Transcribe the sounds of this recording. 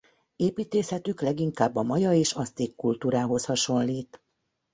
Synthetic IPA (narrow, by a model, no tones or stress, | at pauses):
eːpiːt̪eːshɛt̪yklɛɡiŋkaːbːɒmɒjɒeːʃɒst̪eːkːult̪uːɾaːɦo̞shɒʃo̞nliːt̪